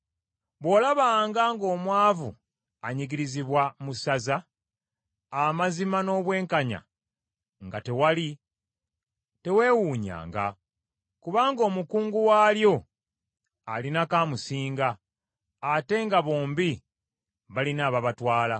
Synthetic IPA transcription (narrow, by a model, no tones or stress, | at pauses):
βwo̞ːlaβaːŋɡaŋɡo̞ːmwaːvṵ | aɲiɡiɾiziβwamusaza | mazimano̞ːβwe̞ːŋkaɲa̰ | ŋɡa̰te̞wali | te̞we̞ːwuːɲa̰ːŋɡa̰ | kuβaːŋɡo̞ːmukuːŋɡuwaːljo̞ | alinakaːmusiːŋɡaː | te̞ŋɡaβo̞ːmbi | βalinaːβaβatwaːla